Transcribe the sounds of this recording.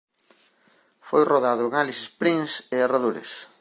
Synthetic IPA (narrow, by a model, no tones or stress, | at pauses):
fojroðaðʊeŋalisɪspɾinseeraðuɾɪ̰s